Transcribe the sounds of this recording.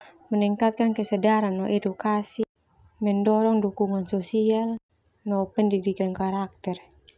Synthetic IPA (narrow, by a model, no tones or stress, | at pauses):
məniŋkat̪̚kankəsɛdaɾanːɔʔɛdukasi | mɛndɔɾɔŋdukuŋansɔsial | nɔpɛndidikankaɾak̚t̪ɛr